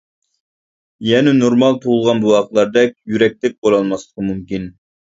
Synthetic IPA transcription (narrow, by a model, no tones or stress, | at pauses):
jɛnɪnoɾmɑlˠt̪ʰuʁʊlˠʁɑnbuɑq̪lˠɑɾd̪ɛkʲjyɾɛk̚ʲt̪ɪk̚ʲbolˠɑlˠmɑslˠə̥qmumkʲin